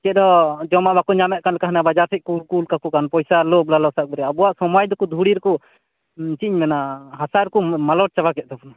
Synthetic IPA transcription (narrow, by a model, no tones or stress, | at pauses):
kɛd̪ɔd͡ʒɔmaʔbakɔɲamɛʔ̚kanlɛkaɦnabad͡ʒaɾsɛc̪̚kulkulkakukanpɔjsalɔblalɔsak̚bɛɾɛabuwaʔsɔmajd̪ɔkɔd̪ʱuɽiɾɛkɔ | t͡ʃiɲmɛnaɦasaɾkɔmalɔʈ̚t͡ʃabakɛt̪̚d̪ɔpɔna